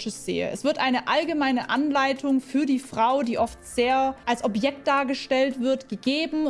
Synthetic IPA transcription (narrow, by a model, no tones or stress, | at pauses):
t͡ʃəsz̥ḛːə̰ʔɛ̰sv̥ɪɐtʔaɪnəʔalɡəmaɪnəʔanlaɪtʰʊŋfyːɐdiːfʁ̥aʊdiːʔɔftz̥eːɐʔalsʔɔpjɛk̚t̚d̥aːɐɡəʃtɛltv̥ɪɐtɡ̥əɡeːbm̩